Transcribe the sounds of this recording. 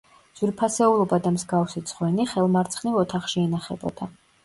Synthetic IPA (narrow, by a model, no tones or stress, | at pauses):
z̥wiɾpʰasɛulˠɔbad̪amzɡafsit̪sʰʼʁwɛniχɛlˠmaɾt̪sʰχnivɔt̪ʰaχʃiɛnaχɛbɔ̰d̪a